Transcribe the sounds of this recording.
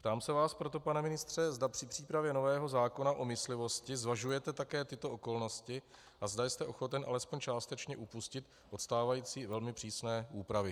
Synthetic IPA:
pt̪aːmsɛvaːspɾo̞t̪o̞panɛmɪnɪst̪r̝̥ɛzdapr̥ɪpr̝̥iːpɾavjɛno̞vɛːɦo̞zaːko̞naʔo̞mɪslɪvo̞scɪzvaʒujɛt̪ɛt̪akɛːt̪ɪt̪o̞ʔo̞ko̞lno̞scɪ | ʔazdajst̪ɛʔo̞xo̞t̪ɛnʔa̰lɛspoɲt͡ʃaːst̪ɛt͡ʃɲɛʔupuscɪt̪ | ʔo̞t̪st̪aːvajiːt͡siːvɛlmɪpr̥iːsnɛːuːpɾavɪ

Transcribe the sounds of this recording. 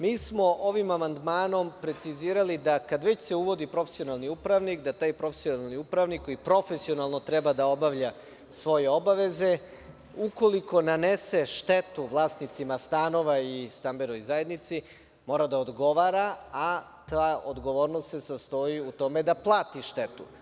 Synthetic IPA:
miːsmo̞ʔo̞ʋimamand̪maːno̞mpɾe̞t̪siziːɾalid̪akad̪ʋet͡ɕse̞uʋo̞d̪ipɾo̞fesio̞nalniupɾaʋnikd̪at̪aːjpɾo̞fesionalniupɾaʋnikːo̞jipɾo̞fe̞sio̞nalˠno̞t̪ɾebad̪ao̞baʋʎa | sʋo̞je̞o̞baʋe̞ze̞ | uko̞liko̞naneseʃt̪e̞t̪uʋlˠaːsnit̪simast̪ano̞ʋaist̪ambenoojzaje̞d̪nit̪si | mo̞ːɾad̪aod̪ɡo̞ʋaɾaa | t̪aːod̪ɡo̞ʋo̞ːɾnost̪sesast̪o̞iut̪o̞me̞d̪aplˠaːt̪iʃt̪e̞t̪ṵ

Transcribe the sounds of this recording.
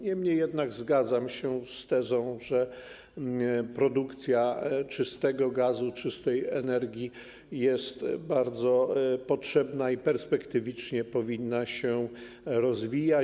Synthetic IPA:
ɲɛmɲejːɛd̪naɡzɡad̪zamɕɛst̪ɛzɔ̃w̃ʐɛ | pɾɔd̪ukt̪sʲjat͡ʂɘst̪ɛɡɔɡazut͡ʂɘst̪ɛjɛnɛɾɡʲji | jɛst̪baɾd̪zɔpɔtʂɛbnaipɛɾspɛkt̪ɘvʲit͡ʂɲɛpɔvʲinːaɕɛ | ɾɔzvʲija

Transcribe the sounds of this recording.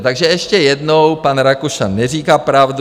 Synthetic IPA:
t̪aɡʒɛɛʃcɛjɛdnowpanɾakuʃanɛr̝iːkaːpɾavd

